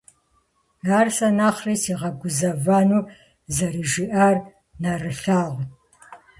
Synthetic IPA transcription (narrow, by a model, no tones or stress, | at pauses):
aːrsɐnaːχriːsiːʁɐɡʷʊzɐvanuː | zɐɾiʒiʔar | nɐrɨɬaːʁʷ